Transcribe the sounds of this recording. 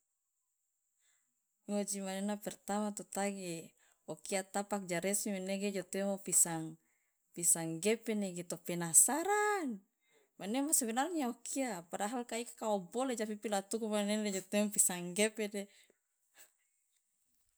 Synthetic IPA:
mod͡ʒimanenapɛrt̪amat̪ot̪aɡe | okiat̪apak̚d͡ʒaɾɛsimeneɡed͡ʒot̪ɛmopisaŋ | pisaŋɡɛpɛneɡet̪opɛnasaɾan | manemasaβinalŋiaokʰiapadaɦalkaikḁkaoboled͡ʒapipilat̪ukumanenaled͡ʒot̪eŋpisaŋɡɛpede

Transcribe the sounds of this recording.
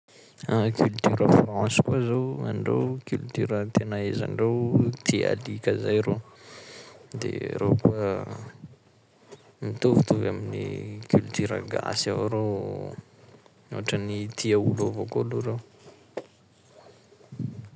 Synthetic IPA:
akʲylt̪yɾəfrɑ̃nskuazowa̰ɳɖ͡ʐḛwkylt̪yɾət̪enaeza̰ɳɖ͡ʐewt̪ʰia̰likʲəzajɾo | d̪ḛɾo̰kuə | mit̪uvut̪uvaminḭkylt̪yɾə̰ɡa̰savaɾow | o̰aʈ͡ʂənit̪ʰiaulovokoluɾow

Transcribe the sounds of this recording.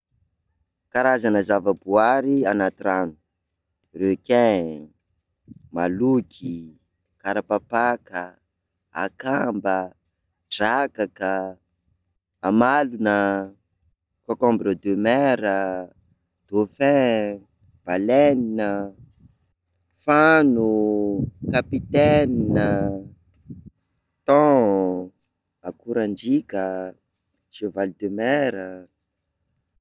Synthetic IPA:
kaɾazanəzavəbuaɾianat̪ɾanu̥ | rekẽ | malukʰi | kaɾapapakə | a̰kambə | ʈ͡ʂakakə | amalunə | kakɔmbiɾod̪ømɛɾə | d̪̥ofɛ̃ | b̥alɛninə | fanu | kapit̪ɛninə | t̪ɔ̃ | akuɾand͡ʒikə | ʃevalid̪ømɛɾə

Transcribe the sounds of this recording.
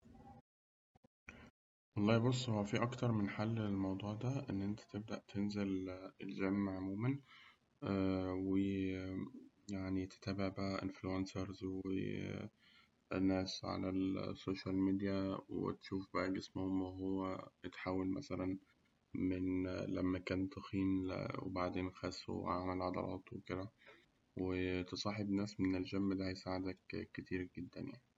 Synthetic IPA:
wɑlˤːɑːhibos̬ˤːhowːæfiːʔɑkt̪ɑɾˤmenħalːelmɑwd̪ˤuːʕd̪æʔenːʔent̪æ̥t̪eb̚d̪æʔt̪ʰenzelḛld͡ʒæmːʕomuːmæn | æwe | jaʕnit̪e̥t̪æːbeʕbæʔæʔɪnfluʔænsɑɾˤzwḛ | nːæːsʕa̰læ̰soːʃælmid̪ijæwḛt̪ʃuːfbæʔæɡesmohomːæɦowːæet̪ħaːwælmʔæ̰sælæn | menlæmːækæːnt̪ɑxiːmwḛbaʕd̪eːnxæsːṵʕaʕmælʕɑd̪ˤɑ̰lˤʔɑ̰ːt̪ˤweked̪æ | wet̪esˤɑħebnæːsmenelʒæmːd̪æhæjsaːʕed̪ækːet̪iːɾɡed̪ːæ̰nja̰ʕni

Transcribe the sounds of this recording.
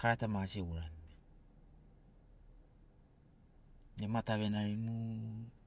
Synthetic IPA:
kaɾatamasieuɾan | emataβenaɾinu

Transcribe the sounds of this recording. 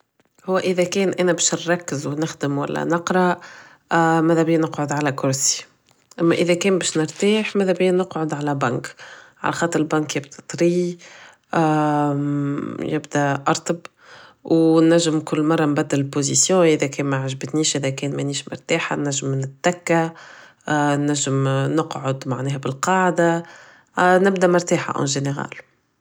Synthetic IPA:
hʊwːæʔəðækɛːnʔænæbɛːʃnɾˤɑkːəzwnɪxd̪əmwæ̰lːæ̰nɑqɾˤɑ | mæðæbɪjːænəqʕʊd̪ʕalækʊɾsi̥ | ʔæmːæʔɪðækɛːnbɛːʃnɪɾt̪aːħmæðæbɪjːænʊqʕʊd̪ʕalæbaŋkʕa̰læxɑːt̪ˤəɾɪlbæŋkjɪbd̪æt̪ˤɾi | ʔ | jɪbd̪æʔɑɾˤt̪əb | wnæʒːəmkʊlːmɑrˤːɑmbæd̪ːɪlɪlpozisjɔ̃ʔɪðækʰɛːnmaʕaʒbt̪niːʃʔɪðækɛːnmɛniːʃmʊ̰ɾt̪aːħa̰nːæʒːəmːnɪt̪̚ːækːa | nːæʒːəmnɑqʕʊd̪maʕnɛːɦæbɪlqɑːʕd̪a | nɪb̚d̪æmʊɾt̪aːħa̰ʔɑ̰̃ʒeneɣa̰ːl

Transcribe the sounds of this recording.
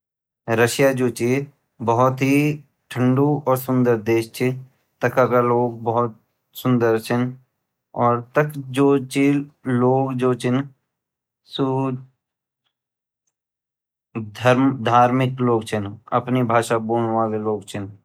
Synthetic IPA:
ɾəʃjad͡ʒoːt͡ʃi | bəɦʊt̪ɦi | ʈʰə̃ɳɖuɔːɾsʊ̃nd̪əɾd̪eːʃt͡ʃʰi | t̪əkʰakaloːɡ̚bəɦʊt̪̚ | sʊ̃nd̪əɾt͡ʃʰɪn | ɔːɾt̪əkd͡ʒoːt͡ʃiloːɡd͡ʒoːt͡ʃʰɪn | su | d̪ʱəɾmd̪ʱaːɾmɪkloːɡt͡ʃʰɪnɐ̰pnibʱaːʃabuːnʋaːleloːɡt͡ʃʰɪn

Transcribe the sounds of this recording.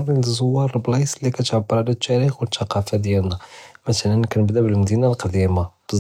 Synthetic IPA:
rˤinzˤowːɑɾˤblɑslikæt̪ʕəbːəɾalæt̪ːæɾixwət̪ːɑqɑfad̪jælnæmæt̪ælænknəbd̪æbəlməd̪inalqd̪imab̥

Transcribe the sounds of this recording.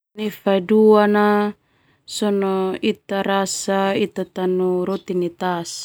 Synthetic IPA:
nifaiduana | sɔnɔit̪aɾasait̪at̪anuɾɔt̪init̪as

